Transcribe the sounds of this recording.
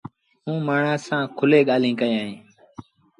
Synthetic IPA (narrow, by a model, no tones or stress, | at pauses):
ɦũːmaːɳaːsãːkʰʊleːɠaːlĩːkəiaːɦẽː